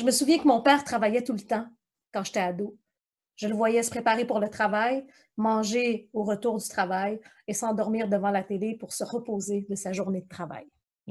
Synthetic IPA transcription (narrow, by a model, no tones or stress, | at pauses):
ʒəməsuvjɛ̃kəmɔ̃pɛːʁt̪χavajɛt̪ulət̪ɑ̃ | kɑ̃ʒet̪ɛad̪o | ʒələvwajɛsə̥pχepaʁepuʁlət̪χavaj | mɑ̃ʒeoʁət̪uːʁd̪yt̪χavaj | esɑ̃d̪ɔʁmiːʁd̪əvɑ̃lat̪elepuʁsəʁəpoːzed̪əsaʒuʁned̪ət̪χava̰j